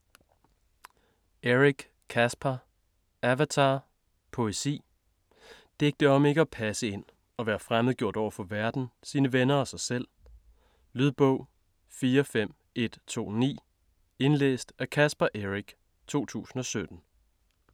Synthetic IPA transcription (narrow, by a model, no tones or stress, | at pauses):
eʁiɡ̥ | kʰæsb̥ʰɐ | æʋæt͡sʰɑ̈ː | pʰo̝esḭː | d̥eɡ̥̚d̥əɒ̽me̝ɡ̥əɒ̽pʰæsəe̝n̰ | ɒ̽ʋæːɐfʁamð̩ˠɡjo̝ɐ̰ɾ̥ɒ̰ʊ̰ɐfɒ̽ʋæɐd̥n̩siːnəʋenɐɒ̽sɑ̈ɪsel̰ | lyðˠb̥ɔʊ̰ | fiːɐfem̰ | e̝d̥t͡sʰo̝̰ːnḭː | e̝nlḛːsd̥ækʰæsb̥æʔeʁiɡ̥ | t͡sʰo̝̰ːt͡sʰṵːsn̩ɒ̽sød̥n̩